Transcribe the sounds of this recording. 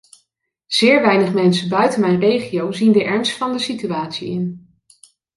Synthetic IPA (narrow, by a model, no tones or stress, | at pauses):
z̥ɪːɹʋɛjnəχmɛnsəbœɥtənmɛjnrejχiowzindəʔɛɹnstfɑndəsityaːtsḭɪn